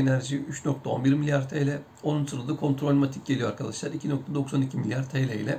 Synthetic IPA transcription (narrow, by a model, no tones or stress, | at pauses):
enæɾʒiyt͡ʃno̞k̚t̪ʰaonbiɾmilʲjaɾt̪ʰejlʲɛ | o̞nunsɯɾalɯd̪ɯkʰo̞nt̪ɾo̞lʲmat̪ʰic̚ɟelʲijo̞aɾkʰad̪aʃlˠaɾicʰino̞k̚t̪ʰad̪o̞ksanicʰimilʲjaɾt̪ʰelʲɛilʲɛ